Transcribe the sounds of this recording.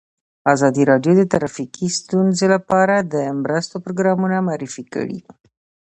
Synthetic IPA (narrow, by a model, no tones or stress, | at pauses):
azɑd̪iɾɑd̪jod̪ət̪ɾafikist̪unzelapaɾad̪əmɾəst̪opɾoɡɾamunamaɾifikə̰ɽḭ